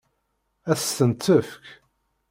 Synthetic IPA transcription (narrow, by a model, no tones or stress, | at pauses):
æθənt̪ːəfk